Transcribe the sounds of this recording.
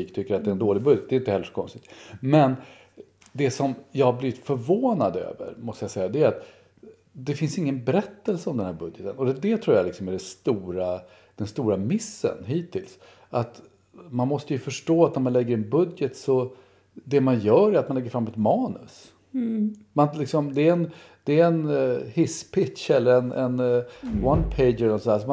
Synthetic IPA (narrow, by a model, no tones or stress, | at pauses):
iːkt̪ʰʏkːəɾat̪d̪ɛɾɛnd̪oːlɪɡbɵd̪jət̪d̪ɛɪɪnt̪əhɛlːəʂɔ̥kʰɔ̰nst̪ɪt̪mɛn | d̪ɛsɔmjɑhabliːvɪt̪fœɾvoːnad̪ø̰ːvə̰ɾmɔst̪əjasɛjːad̪ɛæːɾat̪ | d̪ɛfɪnsɪŋːənbɛɾɛt̪ːəlsəɔmd̪ɛnhæːɾbɵd̪jət̪ənɔd̪ɛd̪ɛt̪ʰɾuːjalɪksɔmæɖɛst̪uːɾa | d̪̥ɛnst̪uːɾamɪsːə̰nɦiːt̪ʰːɪls | ʔat̪ | manmɔst̪əjɵfœʂʈoːat̪næɾmanlɛɡːəɾɛnbɵd̪jət̪sɔ | d̪ɛmanjœːɾæɾat̪̚manlɛɡːəɾfɾamːɛt̪mɑːnɵ̰s | manlɪksɔmd̪ɛːɛn | d̪̥ɛːɛnhɪspʰɪtʂɛlːəɾɛnɛnwanpʰeɪdd͡ʒɛlɛlnɔsɔd̪æs̬ɔm